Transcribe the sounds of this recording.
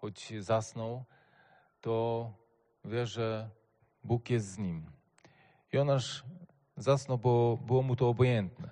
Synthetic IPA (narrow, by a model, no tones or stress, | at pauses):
xɔd͡ʑzasnɔw | t̪ɔ | vʲjɛʐɛ | bukjɛst̪zɲim | jɔnaʂ | zasnɔwbɔbɘwɔmut̪ɔːbɔjɛnt̪nɛ